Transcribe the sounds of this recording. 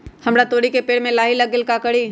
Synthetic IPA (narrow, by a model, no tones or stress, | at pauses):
həmɾat̪oːɽikepeːɽmẽlaːɦiləɡɪlkakəɽi